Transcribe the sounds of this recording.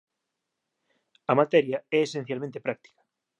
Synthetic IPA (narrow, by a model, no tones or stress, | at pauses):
amat̪ɛɾjaɛesẽn̟θjalmẽnt̪epɾak̚t̪i̥kḁ